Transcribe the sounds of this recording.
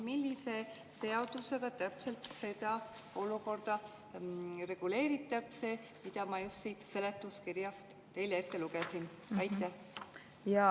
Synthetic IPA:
milːise̞ | se̞od̪̥use̞ɡ̥ɑt̪æpse̞lt̪se̞d̪̥ɑo̞luko̞rd̪̥ɑ | re̞ɡ̥ule̞ːɾit̪ːˑɑkse̞ | mid̪̥ɑmɑjust̪sit̪se̞le̞t̪ːˑuskiɾjɑst̪ːe̞jlee̞t̪ːe̞luɡ̥esin | ɑjt̪ːˑæ | jɑ

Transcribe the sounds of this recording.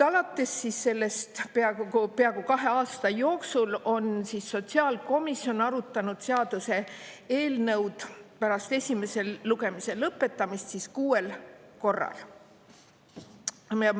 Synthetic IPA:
ɑlɑt̪ːˑesːisːe̞lːe̞st̪peɑkupeɑɡukɑɦe̞ɑːst̪ɑjo̞ːksulo̞nsisːo̞t̪ʲsiɑːlko̞misːio̞nɑɾut̪ːˑɑnud̪̥seɑd̪̥use̞e̞ːlnɤwd̪̥pæɾɑst̪e̞sʲime̞se̞lluɡe̞mise̞lɤpːˑe̞t̪ːˑɑmist̪siskuːe̞lko̞rːɑ̰l

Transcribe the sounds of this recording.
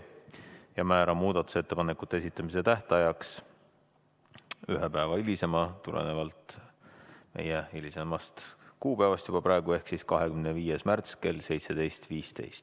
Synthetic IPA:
jɑmæːɾɑmːuːd̪̥ɑt̪ːˑu̥set̪ːe̞pɑnekːˑut̪ːˑees̬it̪ːˑɑmise̞t̪æht̪ɑjɑks | yɦepæːvɑilise̞mɑt̪ulʔḛnevɑlt̪ˑ | me̞̰jeilʲisemɑst̪kuːpæːvɑst̪jubɑprɑe̞ɡ̥ue̞hksiskɑɦe̞kymneviːjesmært̪ske̞lse̞jt̪se̞d̪̥e̞jst̪viːst̪e̞̰jst̪

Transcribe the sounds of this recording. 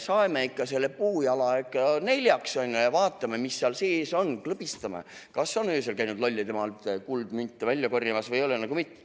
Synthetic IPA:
sɑjmeikːɑse̞lːepuːjɑlɑekˑːɑne̞lʲjɑksonʲːjɑvɑːt̪ːˑɑmemisːeɑlseːso̞nklɤb̥ist̪ɑmḛkɑsːo̞nøːselkæjnud̪lolʲːit̪e̞mɑlt̪ˑkuld̪mynt̪ːˑevælʲːjɑkorjɑmɑsvɤjo̞lenɑɡumit̪ˑː

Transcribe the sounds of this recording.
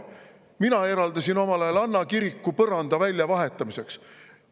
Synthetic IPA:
minɑe̞ɾɑld̪ɑsino̞mɑlɑjelɑnːɑkiɾikːupɤɾɑnd̪ɑvælʲjɑvɑɦe̞t̪ːˑɑmise̞ks

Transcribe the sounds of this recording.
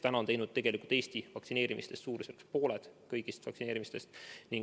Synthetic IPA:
t̪ænɑont̪ejnud̪̚t̪e̞ɡ̥e̞likult̪e̞ːst̪ivɑk̪sine̞ːɾimʔist̪e̞st̪suːɾesekspo̞ːle̞d̪̥kɤjɡ̥ist̪vɑ̰ksineːɾimist̪e̞st̪niŋ

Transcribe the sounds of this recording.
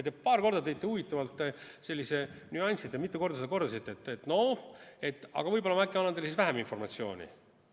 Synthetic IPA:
et̪epɑːrko̞rd̪ɑt̪e̞jt̪ˑːeuvit̪ːˑɑvɑlt̪ːese̞lʲːise̞nyɑnʲsid̪jɑmit̪ːˑekord̪ɑsed̪ɑko̞rd̪ɑsit̪ːˑeet̪ːˑet̪no̞et̪ːˑɑ̰ɡ̥ɑvɤjbo̞lɑmɑækːˑiɑnːɑnd̪elːsisvæɦæminfo̞rmɑt̪sio̞̰ːnʲḭ

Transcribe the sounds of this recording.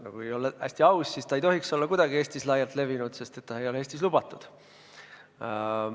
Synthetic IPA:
nɑ̰kujejo̞lːæ̰sʲt̪iɑwssist̪ɑejt̪o̞ɦikso̞lːɑkud̪̥ɑɡ̥ie̞ːsʲt̪islɑjɑlt̪le̞vinud̪̥se̞st̪e̞t̪ːɑejo̞leeːst̪islub̥ɑt̪ːˑud̪̥

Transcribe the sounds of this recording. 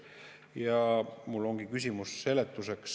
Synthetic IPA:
jɑmulːo̞ŋɡikys̬ʲimusːe̞let̪ːˑuse̞ks

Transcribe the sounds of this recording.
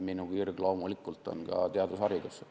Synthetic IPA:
minukirɡ̥lowmulikːˑult̪ːˑo̰nkɑ̰t̪eɑd̪usɑɾiɡ̥̪use

